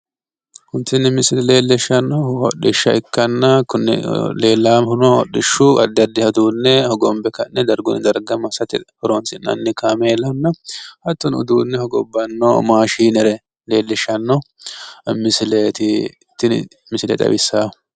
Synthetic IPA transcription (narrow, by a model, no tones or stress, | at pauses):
hʊnt̪ːɪnːɪmɪsɪlɛle̞ːlːɪʃɐnːɔwɔ̰ɗɪʃːɐɪkːɐnːɐkʊnːɛ̰le̞ːlːaːmhʊnɔɔ̰ɗɪʃːuɐ̰d̪ːɐd̪ːɪhɐd̪uːnːɛhɔɡɔmbɛkɐnːɛd̪ɐɾɡʊnɪd̪ɐɾɡɐmɐsɐt̪ɪhɔɾonsɪnɐ̰nːɪkameːlɐnːɐhɐt̪ːʊnʊ̰d̪uːnːɛhɔɡɔbːɐnːo̰maːʃiːnɛɾɛ | le̞ːlːɛʃːɐnːɔ | mɪsɪleːt̪ɪ | t̪ːɪ | mɪsɪlɛ̰t̪ʼɐ̰bɪsːaː